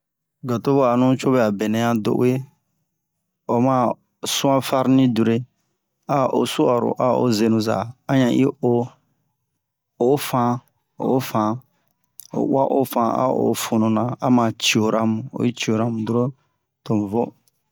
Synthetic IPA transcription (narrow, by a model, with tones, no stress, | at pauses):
ɡa˨to˦bo˦a˨nũ˦t͡ʃo˦bɛ˦a˨bɛ˨nɛ̃˦ã˦do̰˨ʔṵ˦e˦ | o˨mã˦ | sũ˦ã˦fa˦ɾnĩ˦du˨ɾe˦ | a˦o˨su˦a˨ɾo̰˨ʔa˦o̰˦ze˨nũ˨za̰˨ã˦ɲã˨ʔi˦o˦ | o˨˦fã˦ | o̰˨˦fã˨ | o̰˨wa̰˦ʔo˦fã˨a̰˦o̰˨fu˨nũ˨nã˨a˦mã˨t͡ʃi˨o˨ɾʔã˨mũ˨o̰˨i˦t͡ʃi˨o˨ɾa˨mũ˨du˦ɾo˦ | tõ˨vo˦